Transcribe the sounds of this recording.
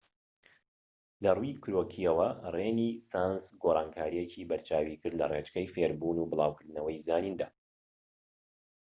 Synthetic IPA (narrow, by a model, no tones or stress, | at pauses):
lɐrujkʰɾoːkʰiɐwɐreːniːsaːnsɡoɾˤaːnkʰaːɾijecʰiːbɐɾt͡ʃʰaːwiːkɨɾd̪lɐ̰ret͡ʃkɐjfeɾbunuːbɨlˠa̰ːwkɨɾd̪nɐwɐjzaːniːnd̪aː